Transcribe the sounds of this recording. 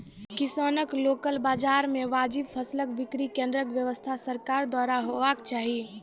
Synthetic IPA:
kisoːnəkloːkəlbaːd͡ʒaːɾmeʋaːd͡ʒibpʰəsləkbɪkɾikẽnd̪ɾəkʋjəʋəst̪ʰasəɾkaːɾd̪waːɾaɦoʋakt͡ʃaːɦi

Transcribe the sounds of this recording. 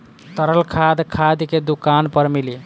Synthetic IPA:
t̪əɾəlkʰad̪kʰad̪ked̪ukanpəɾmili

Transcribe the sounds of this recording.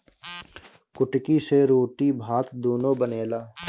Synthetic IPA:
kʊʈkiseɾoːʈibʱaːt̪d̪oːnõbəneːlaː

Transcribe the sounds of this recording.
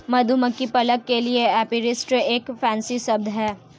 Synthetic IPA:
mɐd̪ʱuməkːipɐləkːelieɛːpiɾɪsʈeːkfɛ̃ːnsisɐb̚d̪ʱɦɛː

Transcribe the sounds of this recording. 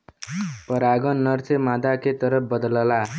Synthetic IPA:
pʌɾaɡʌnːʌrt͡sʌmad̪aket̪ʌɾʌp̚bʌd̪ʌlʌla

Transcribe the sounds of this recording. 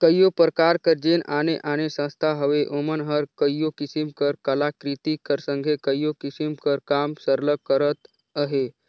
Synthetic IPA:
kəjopɾkaɾkəɾd͡ʒenaneʔanesə̃st̪ʰaɦəʋeʔomənɦəɾkəjokisimkəɾkəlakɾit̪ikəɾsə̃ŋɡʱekəjokisimkəɾkamsəɾləkːəɾət̪ | əɦe

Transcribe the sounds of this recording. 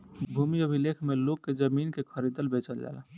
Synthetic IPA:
bʱumiobʱilekʰmeloɡ̚ked͡ʒəmiːnkekʰəɾid̪əlbet͡ʃəld͡ʒa̰ːla̰

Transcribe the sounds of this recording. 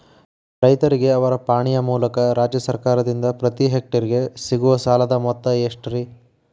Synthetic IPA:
ɾɐjt̪ɐɾiɡe̞ɐʋɐɾɐpaːɳijɐmuːlɐkɐɾaːd͡ʒjɐsɐɾkaːɾɐd̪ind̪ɐpɾɐt̪iɦek̚ʈɐɾiɡe̞siɡuʋɐsaːlɐd̪ɐmɔt̪ːɐeʂʈɐɾi

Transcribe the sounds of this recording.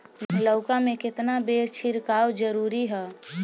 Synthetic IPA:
mɦləʊkamẽkɪt̪nabeːɾt͡ʃʰɪɾkaːwd͡ʒəɾuːɾiɦɛː

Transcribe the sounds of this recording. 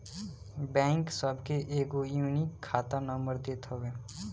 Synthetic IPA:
bɛ̃ːŋksəbʱkeʔeːɡojuːnikʰːaːt̪anə̃mbəɾd̪eːt̪ʰɦoɡeː

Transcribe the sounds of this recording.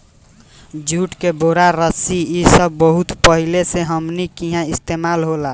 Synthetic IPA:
d͡ʒuʈkeboɾaɾəsiisəbːəɦut̪pəɦileseɦəmnikiɦãɪst̪emaːlɦola

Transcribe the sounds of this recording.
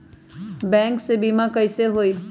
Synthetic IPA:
bɛ̃ːŋksebiːmãkəɪseɦoːi

